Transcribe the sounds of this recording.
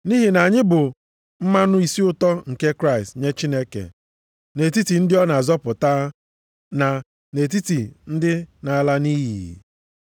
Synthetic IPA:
ni˦ɦi˨na˨ɲɪ˦bʊ˨ | m̩˦ma˦nʊ˦i˨si˦ʊ˦tɔ˦ŋ̩˨ke˦kɾa˦˨ɪ˨stɲe˦t͡ʃi˦ne˦kḛ˨ | ne˨ti˦ti˨n̩˦dɪ˦ɔ˦na˨zɔ˦pʊ˨taː˦ | na˨ | ne˨t̬i˦ti˨n̩˦dɪ˦na˨la˦niː˦ɦi˨ḭ˨

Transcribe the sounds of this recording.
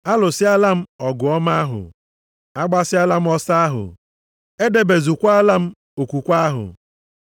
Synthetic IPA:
a˦lʊ˨sɪ˦a˦la˦m̩˦ɔ˨ɡʊ˨ɔ˦ma˦ɦʊ̰˨ | a˦ɡ͡ba˦sɪ˦a˦la˦m̩˦ɔ˦sa˦a˦ɦʊ̰˨ | e˦de˨be˨zu˨kʷa˦a˦la˦m̩˦ | o˨kʷu˨kʷa˦a˦ɦʊ̰˨

